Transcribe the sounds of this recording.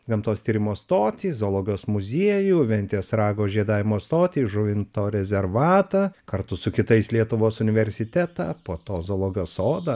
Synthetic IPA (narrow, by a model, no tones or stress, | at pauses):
ɡɐmt̪oːst̪ʲiːɾʲɪmoːst̪oːt̪ʲiːzoːlˠoːɡʲɪoːsmʊzʲiɛjuːʋʲɛnʲt̪ʲeːsɾɑːɡoːʒʲiɛd̪ɑːʋʲɪmoːst̪oːt̪ʲiːʒʊʋʲɪnt̪oːɾʲɛzʲɛɾʋɑːt̪ɐkɐɾt̪ʊsʊkʲɪt̪ɐɪslʲiɛt̪ʊʋoːsʊnʲɪʋʲɛɾʲsʲɪt̪ʲɛt̪ɑ̰ːpoːt̪oːzoːlˠoːɡʲɪjoːsoːd̪ɐ